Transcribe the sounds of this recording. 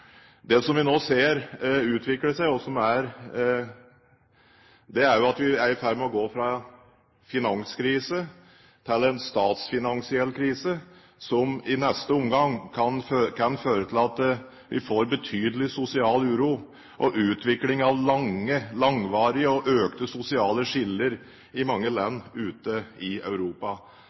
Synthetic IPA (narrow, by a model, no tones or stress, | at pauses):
d̪ɛsɔmʋɪnoːseːɾʉːt̪ʰʋɪkləʂæɪɔsɔmæɾ | d̪ɛæɾjʊɑt̪ʋɪæɾɪfæɾmɛɔɡoːfɾɑɛn | fɪnɑŋskʰɾiːsə | t̪ʰɪlːɛnst̪ɑːt̪sfɪnɑŋsɪɛlːkʰɾiːsə | sɔmɪnɛst̪əʊmɡɑŋkʰɑnkʰɑnføːɾət̪ʰɪlɑt̪ | ʋʔɪ̰foːɾbət̪ʰyːd̪əlɪsʊsɪɑːlʉːɾu | ʔɔʔʉːt̪ʋɪklɪŋɑʋlɑŋːəlɑŋʋɑːɾɪəɔʔøːkt̪əsʊsɪɑːləʂɪlːəɾ | ɪmɑŋːəlɛnːʉːt̪əɪœ̰ʉɾuːpɑ